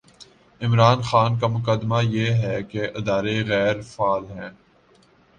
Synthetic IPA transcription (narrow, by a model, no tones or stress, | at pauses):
ɪmɾaːnxaːnk̬amʊkəd̪majeːɦɛkeʔɪd̪aːɾeɣɛːɾfaːlɦɛ̃ː